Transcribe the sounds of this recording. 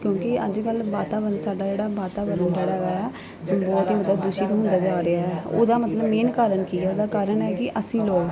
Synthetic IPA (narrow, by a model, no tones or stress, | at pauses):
kjõːkɪəd͡ʒkəlbaːt̪aːʋəɾənsaːɖaːd͡ʒeːɽaːbaːt̪aːbəɾənd͡ʒeːɽaːɡajaː | bɔːt̪eːɦd̪ad̪ʊʃiːt̪õːɦʊ̃nd̪aːd͡ʒaːɾeaːɦɛːo̰ːd̪aːmət̪ləbmeːnkaːɾəɳkiːɛːoːd̪aːkaːɾəɳɛːkɪʔəsĩːloːɡ